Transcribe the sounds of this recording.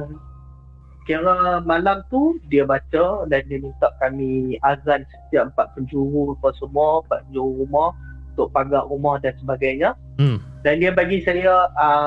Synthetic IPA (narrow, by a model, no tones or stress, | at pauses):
kiɾamalamt̪udiəbat͡ʃədandiənut̪aʔ̚kamĩazansə̥t̪iaʔəmpaʔ̪̚pəɲd͡ʒuɾupasəmuampat̪̚pəɲd͡ʒuɾuɾumɔhut̪ʊʔ̚paɡaʔrumɔhdansəbaɡajɲa | dandiəbaɡisaja